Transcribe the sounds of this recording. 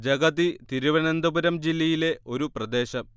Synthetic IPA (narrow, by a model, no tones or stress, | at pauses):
d͡ʑɐɡɐðit̪iɾuʋɐnend̪ɐbuɾɐmd͡ʑilːɐjile̞o̞ɾuprɐd̪e̞ːɕɐm